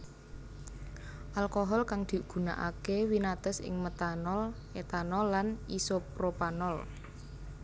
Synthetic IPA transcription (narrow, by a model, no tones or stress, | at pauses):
ʔalkoɦɔlkaŋd̪̥i̤ɡ̥ṳna̰ʔa̰kewinat̪əsɪ̰ŋmət̪anɔl | et̪anɔlːanisopɾopanɔl